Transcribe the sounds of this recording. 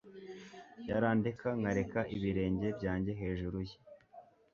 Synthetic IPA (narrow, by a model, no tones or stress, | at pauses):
jaɾaːndikaŋɡaɾe̞kaʔiβiɾe̞ːɲɟe̞bɟaːɲɟe̞ɦe̞ːʒuɾuje